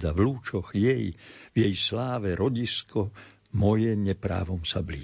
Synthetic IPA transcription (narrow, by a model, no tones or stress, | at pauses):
d̪avluːt͡ʃɔɣjɛjvjɛjslaːʋɛɾɔɟiskɔ | mɔjɛɲɛpɾa̰ːʋɔmsabliː